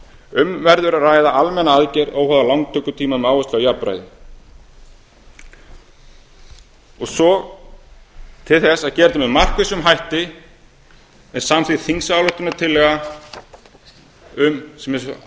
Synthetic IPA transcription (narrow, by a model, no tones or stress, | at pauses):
ʏmvɛɾðʏɾaraːjðaʔalmɛnaaðcɛɾowhaðalawŋkt̪ʰœkːʏt̪ʰiːmamɛaːwʏst̪awjaɾpɾa̰jðɪ | ɔɣsɔ | t̪ʰɪlθɛsaðcɛɾt̪ʏmɛðmar̥kvɪsʏmɦajht̪ɪ | ɛnsaːmθiθiŋsaːwlœht̪ʏnat̪ʰɪlːɛɣa | ʏmsɛmɛ